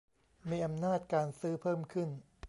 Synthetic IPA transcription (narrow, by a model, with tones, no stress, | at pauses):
miː˧ʔa˧mnaː˥˩t̪̚kaː˧nsɯː˦˥pʰɤː˥˩mkʰɯ˥˩n